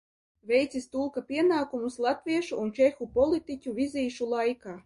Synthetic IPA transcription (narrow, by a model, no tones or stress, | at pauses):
vʲejt̪sist̪ulˠkapʲiɛnaːkumuslˠat̪vʲiɛʃuʔunt͡ʃexupɔlʲˠit̪icʲuvʲizʲiːʃulˠajkaː